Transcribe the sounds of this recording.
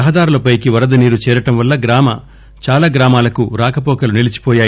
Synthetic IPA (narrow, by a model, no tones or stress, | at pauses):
ɐɦɐd̪aːɾulɐpɐjkiʋɐɾɐd̪ɐniːɾut͡ʃɛːɾɐʈɐmʋɐlːɐɡɾaːmɐ̰ | t͡ʃaːlaːɡɾaːmaːlɐkuɾaːkɐpɔːkɐlunilit͡ʃi̥pɔːjaːj